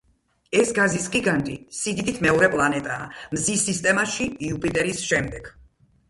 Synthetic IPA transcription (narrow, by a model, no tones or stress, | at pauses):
ɛsɡazisɡiɡant̪ʼḭsid̪id̪it̪ʰmɛɔɾɛpʼlˠanɛt̪ʼa̰ːmzisist̪ʼɛmaʃiiupʼit̪ʼɛɾisʃɛmd̪ɛɡ̥